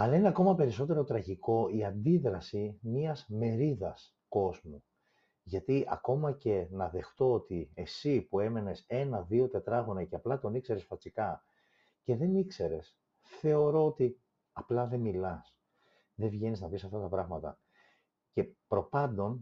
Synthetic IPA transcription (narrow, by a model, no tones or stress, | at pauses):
ɐlɐineɐko̞mɐpe̞ɾis̬o̞t̪e̞ɾo̞t̪ɾɐʝiko̞iɐnd̪iðɾɐsimiɐzme̞ɾiðɐs | ko̞zmu | ʝɐt̪iʔɐ̰ko̞mɐce̞nɐðe̞xt̪o̞ot̪ie̞sipue̞me̞ne̞se̞nɐðio̞t̪e̞t̪ɾɐɣonɐceɐplɐt̪o̞nikse̞ɾe̞sfɐt͡sikɐ | ce̞ðe̞nikse̞ɾe̞s | θe̞o̞ɾo̞ot̪i | ɐplɐðe̞milɐs | ðevʝe̞niznɐvisɐft̪ɐt̪ɐpɾɐɣmɐt̪ɐ̰ | ce̞pɾo̞pɐnd̪o̞n